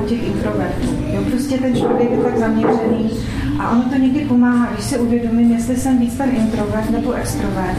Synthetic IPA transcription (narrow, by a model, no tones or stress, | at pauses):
ucɛxʔɪnt̪ɾo̞vɛrt̪uːjopɾo̞scɛt̪ɛnt͡ʃlo̞vjɛkjɛt̪aɡzamɲɛr̝ɛniː | ʔa̰ʔo̞not̪o̞ɲɛɡdɪpo̞maːɦaɡdɪʃsɪuvjɛdo̞mɪmjɛst̪lɪsɛmviːt͡st̪ɛnʔɪnt̪ɾo̞vɛɾt̪nɛbo̞ʔɛkst̪ɾo̞vɛɾt̪